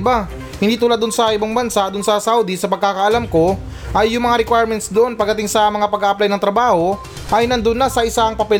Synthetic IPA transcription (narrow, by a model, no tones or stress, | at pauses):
ba | hɪnd̪iːt̪ʊːlad̪ːʊnsɐʔɪbaŋbɐnsaʔd̪ʊnsɐsawd̪isɐpɐɡ̚kaːkɐʔɐlamko̞ | ʔɐjːʊŋmɐŋaɾɛkwajɾmɛnt̪sd̪oʔo̞npɐɡ̪̚ːɐt̪ɪŋsɐmɐŋapɐɡaːʔɐplajnɐŋt̪ɾɐbaːho̞ | ʔɐjnɐnd̪ʊnːasɐʔɪsaŋpɐpɛ